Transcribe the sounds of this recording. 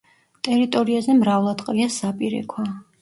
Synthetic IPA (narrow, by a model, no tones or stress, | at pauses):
t̪ʼɛɾit̪ʼɔɾiazɛmɾavlˠad̪qʼɾiasapʼiɾɛ̰kʰwa